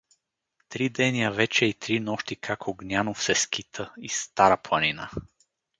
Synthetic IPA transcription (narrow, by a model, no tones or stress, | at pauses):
t̪ɾid̪ɛniəvɛt͡ʃɛit̪ɾinɔʃt̪ikʰakoɡnʲjanofsɛskit̪ʰəist̪aɾaplˠɐninə̰